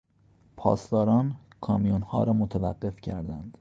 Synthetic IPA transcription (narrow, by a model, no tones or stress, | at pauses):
pʰɒ̰ːst̪ɒːɾɒːnkʰɒːmijonhɒ̰ːɾɒːmot̪ʰævæɢːe̞fcʰæɾd̪ænd̪̥